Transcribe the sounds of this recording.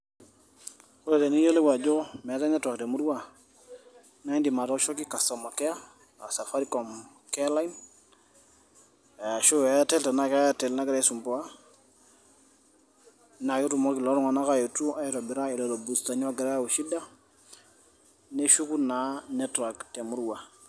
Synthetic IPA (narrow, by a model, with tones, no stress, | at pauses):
ku˦ɾe˨te˨ni˦je˦le˦wa˨d͡ʒo˦mɛ˨ta˦nɛ˦twa˨k̚de˨mu˦ɾu˦wa˦˨ | na˦i˦ndi˨ma˨ta˦ʃɔ˦ki˦ka˨sa˨ma˨kɛ˦a˦ | a˨sa˨fa˦ɾi˦kɔ˨m | kɛ˦la˦in˨ | a˨ʃu˦a˨a˦tɛ˦lta˨na˦ka˦jatɛ˨lna˦ki˦ɾa˨i˦su˨mpɔ˨a˦ | na˨ki˦tu˨mɔ˦ki˨lo˨˦ɾɔ˦ŋa˨na˦ka˦jo˨tu˦ʔa˦ji˦ɾɔ˨bi˨ɾa˦i˨lo˨lo˨bu˨sta˨ɲ˦a˦ɡi˨ɾa˦˨wo˨ʃi˦da˦ | ne˦ʃu˦ku˦na˨nɛ˦twa˨kte˨mu˦ɾwa˨